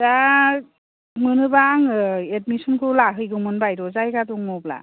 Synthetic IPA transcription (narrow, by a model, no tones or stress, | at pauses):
da | mɯnɯbaŋɯet̚misɔnkʰɯlaɦɯjɡɯmɯnbajdɔzajɡaduŋmɔbla̰